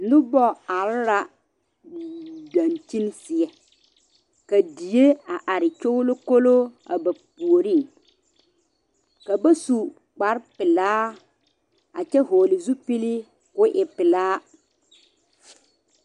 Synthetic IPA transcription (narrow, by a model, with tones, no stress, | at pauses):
n̩˨˦dʊ˦bɔ˦a˨lɾa˨ | da˨nt͡ʃi˦n˦sɪ˨ɛ˦ | ka˨di˨je˦a˨ʔa˨ɾɪ˨t͡ʃo˦lo˦ko˦lo˦a̰˨ba˨pu˨o˨ɾi˦˨ŋ | ka˨ba˦su˨ | k͡pa˨˦ɾpɪ˨laː˦ | a̰˨t͡ʃɛ˦ɦoː˨lɪ˨zu˦pi˦li˦ | kʊ˦ʔɪ˨pɪ˨laː˦